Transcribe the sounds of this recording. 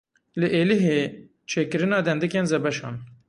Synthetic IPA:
lɨʔeːliɦeː | t͡ʃʰeːkɨɾɨnɑːd̪ɛnd̪ɨkeːnzɛbɛʃɑ̰ːn

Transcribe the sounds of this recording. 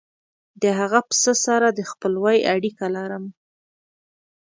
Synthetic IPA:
d̪əɦaɣapə̥səsaɾad̪əxpəlwajaɽikalɑɾəm

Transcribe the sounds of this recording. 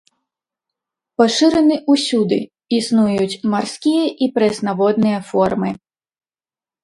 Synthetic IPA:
paʂɨɾɨnɨʔusʲud̪ɨ̰ | isnujut͡sʲmarsʲkʲijɐʔipɾɛsnavɔd̪nɨjɐfɔrmɨ

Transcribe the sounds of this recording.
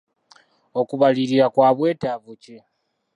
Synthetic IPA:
okuβaliɾiɾakwaːβwe̞ːtaβuci

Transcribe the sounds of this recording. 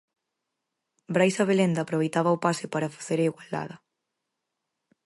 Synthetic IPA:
bɾajsɐβelend̪aːpɾoβejt̪aβɐopasɪpaɾɐfḁθeɾaiɣwald̪a̰ðɐ

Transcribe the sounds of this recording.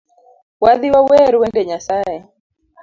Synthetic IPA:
waðiwawɛɾwɛndɛɲasaɛ

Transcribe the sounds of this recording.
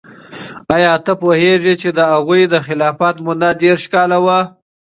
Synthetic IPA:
ɑjɑt̪əpoheʐet͡ʃed̪əaɣujd̪əxɪlɑfat̪mʊd̪ad̪eɾʃkɑlawa

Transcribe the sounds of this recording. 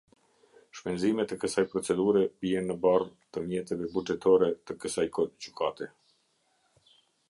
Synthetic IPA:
ʃpɛnzimɛt̪ɛkəsajpɾɔt͡sɛd̪uɾɛbiɛnːəbart̪əmjɛt̪ɛvɛbud͡ʒɛt̪ʰɔɾɛt̪əkəsajkɔd͡ʑykʰat̪ɛ

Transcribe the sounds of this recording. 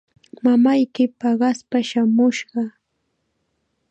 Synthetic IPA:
mamajkɪpɑɢɑspaʃamʊʃɢɑ

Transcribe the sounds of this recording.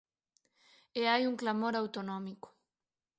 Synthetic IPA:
eajuŋklamo̞ɾawt̪onomiko̥

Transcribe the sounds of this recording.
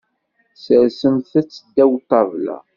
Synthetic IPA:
səɾsəmθæt͡sːəd̪ːæwt̪ˤːɑvlæ̰

